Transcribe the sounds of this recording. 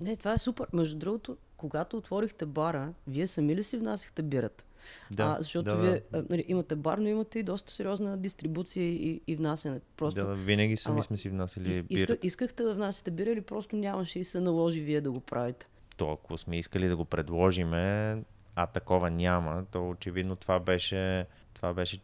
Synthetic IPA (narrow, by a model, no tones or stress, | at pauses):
nɛt̪ovaɛsupɛɾmɛʒd̪ʊd̪ɾuɡot̪o | koɡat̪oːt̪vɔɾixt̪ɛbaɾəviɛsɐmilisivnasʲi̥xt̪ɛbiɾət̪ | d̪azɐʃt̪ɔtd̪oviɛnɐliʔimɐt̪ɛbaɾnoimɐt̪ɛid̪ɔst̪ə̥sɛɾʲiɔznəd̪ist̪ɾibut̪sijəiiːvnasjɐnɛt̪pɾɔst̪ʊvinəɡʲismismɛsivnasiliiiiɾkt̪iskəxt̪ɛd̪ɐvnasə̥t̪ɛbiɾəilipɾɔst̪ʊnʲamɐʃɛisɛnɐlˠɔʒiviɛd̪ɐɡopɾʔavit̪ɛ̥ | t̪ɔɐkosmɛiskəlid̪ɐɡopɾɛd̪lˠɔʒimɛ | ɐt̪ɐkɔvənʲamət̪ɔot͡ʃɛvid̪not̪ovabɛʃɛ | t̪ovabɛʃɛ